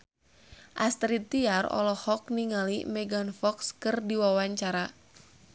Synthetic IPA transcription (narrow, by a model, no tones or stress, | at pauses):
ʔast̪ɾit̪iarɔ̰lɔhɔk̚niŋalḭmɛɡanfɔkskɨrdiwawaɲt͡ʃaɾa